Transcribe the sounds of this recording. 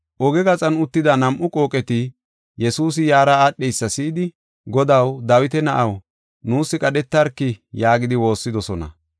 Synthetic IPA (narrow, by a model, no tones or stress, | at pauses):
ʔɔɡɛɡɐt͡sʼɐnʊt̪ːɪd̪ɐnɐmʔʊkʼo̞ːkʼɛt̪ɪ | jɛsuːs̬ɪjaːɾɐaːɗɛjsːɐsiːd̪ɪ | ɡɔd̪ɐwd̪ɐwɪt̪ɛnɐʔɐw | nuːsːɪkʼɐɗɛt̪ːɐɾkːɪjaːɡɪd̪ɪwo̞ːsːɪd̪ɔsɔnɐ̰